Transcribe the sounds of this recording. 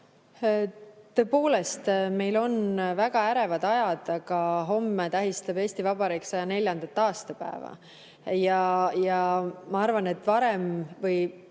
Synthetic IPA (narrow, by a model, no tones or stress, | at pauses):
t̪ø̞ːpo̞ːle̞st̪me̞jlo̞nvæɡ̥ɑæɾe̞vɑd̪̥ɑjɑd̪̥ɑkɑɦo̞mːet̪æɦist̪ɑbe̞ːst̪ivɑbɑɾiksɑjɑne̞lʲjɑnd̪̥ɑt̪ːɑːst̪ɑpæ̰ḛvɑ̰ | jɑjɑmɑɑrvɑnet̪ːˑvɑɾe̞mvɯj